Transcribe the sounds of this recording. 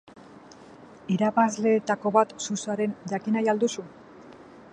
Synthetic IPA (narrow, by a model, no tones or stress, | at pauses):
iɾaβazle̞ːt̪ako̞βat̪susaɾe̞nd͡ʑakinajald̪usu